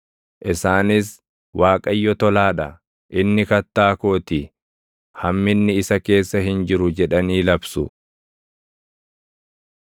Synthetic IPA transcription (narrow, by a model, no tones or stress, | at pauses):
ʔɪsaːnɪs | waːkʼɐjːɔt̪ɔlaːᶑɐ | ʔɪnːɪkɐt̪ːaːkoːt̪ɪ | hɐmːɪnːɪɪsɐke̞ːsːɐɦɪnd͡ʒɪɾʊd͡ʒɛᶑɐniːlɐbsʊ